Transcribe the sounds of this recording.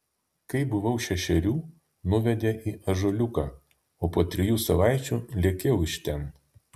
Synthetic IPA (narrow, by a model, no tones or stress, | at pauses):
kɐɪbʊʋɐʊʃʲɛʃʲɛɾʲuː | nʊʋʲɛd̪ʲeʔiːʔɐʒolʲʊkɑː | oːpoɔt̪ʲɾʲɪjuːsɐʋɑˑɪt͡ʃʲuːlʲiɛkʲeʊɪʃʲt̪ʲɛn